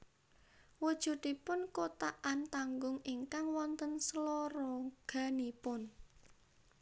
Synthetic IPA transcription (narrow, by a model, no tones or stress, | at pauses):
wud̥ʒ̥ṳd̪ipʊnkot̪aʔant̪aŋɡʊŋiŋkaŋwɔnt̪ənsəloɾɔɡ̥ä̤nipʊn